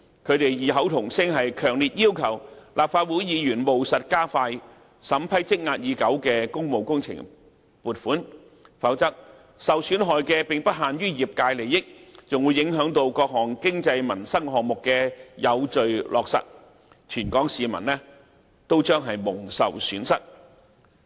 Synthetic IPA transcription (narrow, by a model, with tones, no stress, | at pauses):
kʰɵ˨˧ɥt̪e˨jjiː˨ɦɐ˨˥wt̪ʰʊ˨˩ŋsɪ˥ŋɦɐ˨jkʰœː˨˩ŋliː˨t̚jiː˥wkʰɐ˨˩wlʔaː˨p̚faː˧t̚wuː˨˥jjiː˨˧jyː˨˩nmo˨wsɐ˨t̚kaː˥faː˧j | sɐ˨˥mpʰɐ˥jt͡sɪ˥k̚ŋaː˧t̚jiː˨˧kɐ˨˥wkɛː˧kʊ˥ŋmo˨˧wkʊ˥ŋt͡sʰɪ̰˨˩ŋ | puː˨t̚fuː˨˥n | fɐ˨˥wt͡sɐ˥k̚ | sɐ˨wsyː˨˥nɦɔː˨jkɛː˧pɪ˨˩ŋpɐ˥t̚ɦaː˨nɥyː˥jiː˨˩p̚kaː˧jle˨˩jjɪ˥k̚t͡sʊ˨ŋwu˨˧jɪ˨˥ŋɦœː˨˥ŋt̪o˧wkɔː˧k̚ɦɔː˨˩ŋkɪ˥ŋt͡sɐ˧jmɐ˨˩nsɐ˥ŋɦɔː˨k̚mʊ˨kːɛ˧jɐ˨˧wt͡ʃɵ˨ɥlʔɔː˨k̚sɐ̰˨t̚ | t͡ʃʰyː˨˩nkɔː˨˥ŋsiː˨mɐ̰˨˩nlɛː˥ | t̪o˥wt͡ʃœː˥ŋɦɐ˨jmʊ˨˩ŋsɐ̰˨wsyː˨˥nsɐ˥t̚